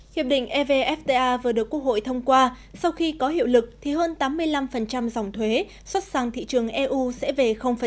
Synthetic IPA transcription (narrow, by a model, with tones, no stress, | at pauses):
hi˨˩əp̚ɗḭ̈˧˨ŋ̟ʔɛ˧ve˧ʔɛ˦˥ft̪e˧ʔaː˧vɨ˨˩əɗɨ˨˩əkːu˦˥ək̚ho̰˧˨jt̪ʰə˧wŋ͡mkwaː˧ | sa˧wxi˧kɔ˨˦ɦḭ˧˨əwlɨ˨˩k̚t̪ʰi˨˩ɦəː˧nt̪aː˨˦mːɨ˧əjla˧mfə˨˩nt͡ɕa˧mza˨˩wŋ͡mt̪ʰwe˨˦ | swə˦˥t̚za˨˩ŋt̪ʰḭ˧˨t͡ɕɨ˨˩əŋʔɛ˧ʔu˧sɛ̰˧˥ve˨˩xə˧wŋ͡mfə˨˩